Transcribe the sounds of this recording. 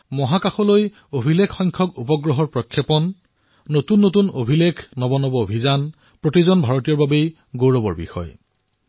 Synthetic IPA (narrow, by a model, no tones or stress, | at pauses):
mɔɦakaxɔloj | obʱilekʰxɔjŋkʰɔkupɔɡɹɔɦɔɹpɹɔkʰːjɔpɔnː | otunːotunobʱilekʰnɔbɔnɔbɔobʱizan | pɹotizɔnbʱaɹotijɔɹbabej | ɡowɹɔbɔɹbḭxɔ̰j